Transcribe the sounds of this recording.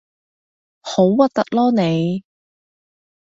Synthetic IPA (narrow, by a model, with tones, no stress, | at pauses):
ho˨˥wwɐ˨t̚t̪ɐ˨k̚lɔː˥ne˨˧j